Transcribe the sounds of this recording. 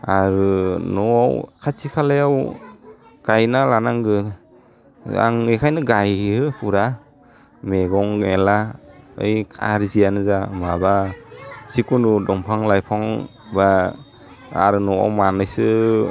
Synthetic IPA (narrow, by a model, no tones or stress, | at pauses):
aɾɯnɔawkʰatʰikʰalajaw | ɡ̥ajnalanaŋɡɯ | a̰ŋekʰajnɯɡajɯpuɾa | meɡɔŋelaɯ̰jkʰa̰ɾzijanɯzamaba | sikunudɔŋpʰaŋlajpʰɔŋ | ba | ɾɯnɔa̰wmanɯjsɯ